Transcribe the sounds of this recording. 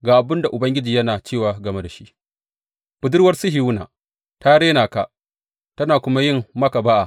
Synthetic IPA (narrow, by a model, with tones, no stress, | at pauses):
ɡaː˨ʔa˨bɪ˦nda˨ʔʊ˨bɐ˦ŋɡʲɪ˦d͡ʒiː˨jɐ˦naː˨t͡ʃeː˦˨waː˨ɡɐ˨me˦da˨ʃi˦ʔ | ɸʊ˨dʊ˦rwɐ˦rsɪ˦ɦi˨wʊ˦na̰ː˨ | taː˦ɽeː˦naː˨ka˦ʔ | tɐ˦naː˨kʷʊ˦ma˦jɪ˦˨mmɐ˦ka˨ba˦ʔa˨